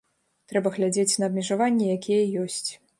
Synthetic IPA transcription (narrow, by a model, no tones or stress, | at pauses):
t̪ɾɛbɐɣlʲad͡zʲet͡sʲnɐːbmʲɛʐavanʲːɛjakʲʰijɛjɔsʲt͡sʲ